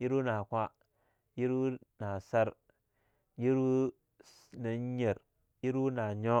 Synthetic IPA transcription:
ji˦ɾu˦na˨kʷa˦ | ji˦ɾu˦na˨sa˦ɾ | ji˦ɾu˦ | na˨ɲ˦ɲe˨ɾ | ji˦ɾu˦na˨ɲo˦

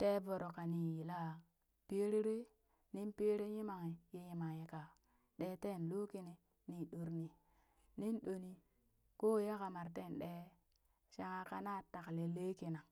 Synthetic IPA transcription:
te˦vo˨ɾo˨ka˨ni˨ji˨la˦ | pe˦ɾi˦ɾe˦ | ni˦npe˦ɾe˦ji˦ma˨ŋi˨je˦ɲi˨ma˨ŋje˨ka˨ | ɗe˨˦te˦˨n˨lo˦ki˦ni˨ | ni˨ɗo˨ɾni˨ | ni˦nɗo˨ni˨ | koː˦˨ja˦ka˨ma˨ɾte˦˨nɗe˦ | ʃa˦ŋa˦ka˦na˦˨ta˨kle˨le˦ki˨na˨

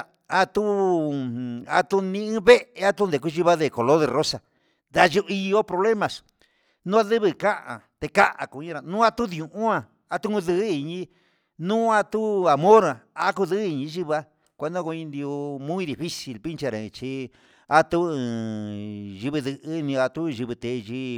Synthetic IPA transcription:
a˧t̪u˦ | a̰˧t̪u˧nĩ˧ɨ̃˦βe˦ʔʔe˧a˦t̪u˦nd̪e˨ku˦˧ʒi˧βa˦ðe˧˨ko˨lo˦ðe˧˨ro˦sa˧ | d̪a˧ʒu˧ʔi˧jo˦pɾo˧βle˦mã˧s | nũ˦a˦˧ðɨ˦βɨ˧ka˦ʔã̰˨t̪e˧ka˦ʔa̰˨ku˨˧ɲĩ˦˧ɾa˧nũː˦a˦˧t̪u˦ðũ˨ʔũ˦ã˧˨ | a˧t̪u˦ũ˧ðɨ˧˦i˧ɲĩ˧˦ | nũː˦a˧t̪u˦a˨mõ˦ɾã˨a˧˦ku˧ðɨ˦i˧ɲĩ˧˦ʒi˦βa˦ | kʷe˧˦d̪õ˦ko˧ɲĩ˧nd̪i˧o˧mũ˦i˦ði˧˨fi˦si˧lpi˦nt͡ʃa˧ɾã˨˧t͡ʃi˧ | a˧t̪u˦ɨ̃˧˨ | ʒi˧βɨ˧ðɨ˧ʔɨ˦˧nĩ˧a˧t̪u˦˧ʒi˧βɨ˧t̪e˨˧ʒi˦

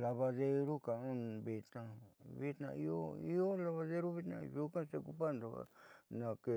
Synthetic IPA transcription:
la˧βa˧ðe˧ɾu˦ka˨ũ˦n˨βi˧t̪nã˧βi˦t̪nã̰˧i˧˦o˦i˦o˦la˧βa˧ðe˦ɾu˦βi˦t̪nã̰˧ju˦kã˦se˧ku˧pa˦˨nd̪o˨a̰˨nã˨ke˧

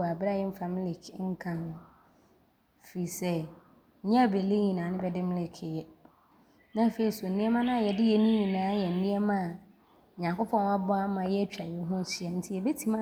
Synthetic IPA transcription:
a˨bɾa˦jɛ˦m̩˦fa˨mi˦li˨kʰŋ̩˦kʰã˨nʊ̃˦ | fi˨sɛ˦˨ | ɲã˦˨be˨li˦ɲĩ˨nãː˨˦nɪ̃˦bɛ˦dɪ˦mɪ̃˦lɪ˦kʰɪ˨jɛ˦ | nã˦˨fe˨i˨so˨n̩˨nĩ˦ɛ˦mã˦nã˦a˨jɛ˨dɪ˦jɛ˦nĩ˦ɲĩ˨nãː˨˦jɛ˨n̩˨nĩ˦ɛ˦mã˦a˨ | ɲã˨ŋkɔ˦pʰɔ̃˦n˦a˦bɔ˦a˦mã˨jɛ˦t͡ɕᶣa˨jɛ˨˦ɦʊ̃˦n˦si˨ɛ˨n̩˦tʰi˦jɛ˨be˦tʰi˦mã˦

